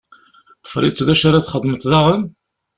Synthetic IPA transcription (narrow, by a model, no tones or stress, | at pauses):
ə̥fɾit͡sːðæʃaɾaθχəd̪ˤːmət̪ːðaʁən